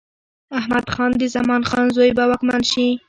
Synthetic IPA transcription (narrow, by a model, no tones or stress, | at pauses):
ahmad̪xɑnd̪əzamɑnxɑnzojbawɑkmanʃi